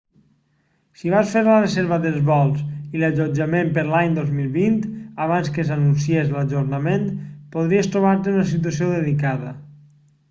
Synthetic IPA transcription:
siβ̞asfeɾlərezɛɾβəðelˠzβɔlˠsilaʒod͡ʒamempeɾlaɲd̪ozmilˠβint̪aβ̞anskesanunsiezlaʒoɾnament̪poð̞ɾiest̪ɾuβaɾt̪eunəs̬it̪̬uəs̬ioðelikaðə

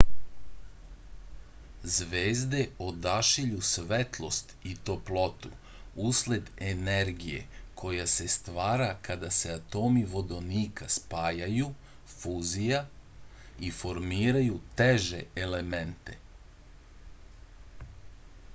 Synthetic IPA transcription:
zʋeːzd̪e̞od̪aʃiʎusʋet̪lˠo̞st̪it̪o̞plot̪ṵ | usle̞d̪eneɾɡije̞̰kʰo̞jase̞st̪ʋaːɾakad̪ase̞at̪o̞ːmiʋo̞d̪o̞niːkaspaːjaju | fuzija | ifo̞ɾmiːɾajut̪eʒe̞ele̞ment̪e̞

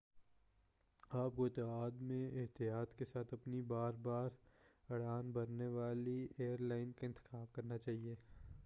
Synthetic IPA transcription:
aːp̚koɪt̪aɦaːd̪mẽɪɦt̪ijaːt̪kesaːt̪ʰɐpnibaːɾbaːɾɐɽaːnbɐɾneʋaːlieːəɾlaːɪnkaɪ̃nt̪ɪ̥xaːb̚kɐɾnat͡ʃaːɦieː

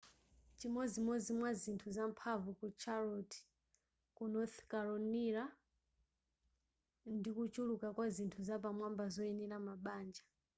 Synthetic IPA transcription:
t͡ʃimɔzimɔzimwazintʰuzampʰavukut͡ʃʰaɾɔti̥ | kunɔθi̥kaɾɔniɾa | ndikut͡ʃulukakwazintʰuzap̬amwambazɔɛnilamaɓaːnd͡ʒḁ

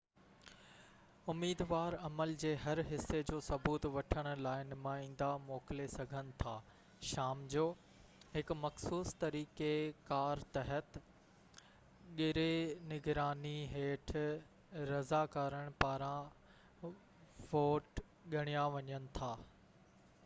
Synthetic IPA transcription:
ʊmiːd̪ʋaːɾɐməld͡ʑeːɦɐɾɦɪsːed͡ʑoːsɐbuːt̪ʋɐʈʰəɽ̃ʊ̆laːɪnmãĩːn̆d̪amɔːkɪlesɐɡʱənɪ̆t̪ʰaː | ʃaːmd͡ʑoː | ɦɪkmɐxsuːst̪ɐɾiːkekaːɾt̪ɐɦət̪ | ɠɪɾenɪɡɾaːniɦeːʈʰ | ɾɐzakaːɾəɽ̃paːɾã | ʋoːʈ | ɠɐɽ̃ijaʋɐɲənɪ̆t̪ʰaː

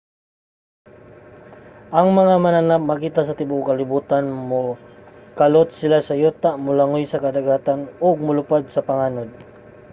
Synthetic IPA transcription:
ʔɐŋmɐŋamananap̚mɐkiːt̪asɐt̪ɪbʊʔkɐlɪbuːt̪anmʊ | kalot̪sɪlasɐjuːt̪aʔmʊlaŋojsɐkɐd̪aɡaːt̪anʊɡ̚mʊlʊpad̪̚sɐpɐŋaːnod̪̚

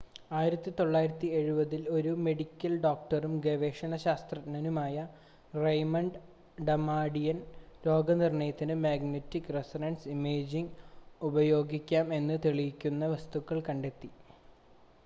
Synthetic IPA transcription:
aːjiɾɐt̪ːit̪o̞ɭːaːjiɾɐt̪ːie̞ɻubɐðilo̞ɾume̞ɽikʲːɐlɖoːk̚ʈɐrumɡeʋeːʂɐɳɐɕaːst̪rɐtnɐnumaːjɐ | rejmɐɳɖ | ɖɐmaːɽijɐnɾo̞ːɡɐnirɳɐjɐt̪ːinɨmaːɡnetːikːresɐɾɐnsimeːd͡ʑiŋubɐjo̞ːɡikʲːaːme̞nːɨt̪eɭijikʲːunːɐʋɐst̪ukːɐɭkɐɳɖe̞t̪ːi

